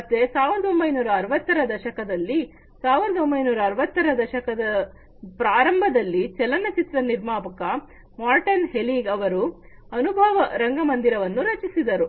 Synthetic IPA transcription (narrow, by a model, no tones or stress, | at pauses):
mɐt̪ːe̞saːʋɐnd̪ombɐjnuːɾɐːɾʋɐt̪ːɐɾɐd̪ɐʃɐkɐd̪ɐlːi | saːʋɐnd̪ombɐjnuːɾɐːɾʋɐt̪ːɐɾɐd̪ɐʃɐkɐd̪ɐ | pɾaːɾɐmbʱɐd̪ɐlːit͡ʃɛlɐnːɐt͡ʃit̪ɾɐniɾmaːpɐkɐ | maːɾʈɐnɦeliːɡɐʋɐɾu | ɐnubʱɐːʋɐɾɐŋɡɐmɐnd̪iɾɐʋɐnːuɾɐt͡ʃisid̪ɐɾu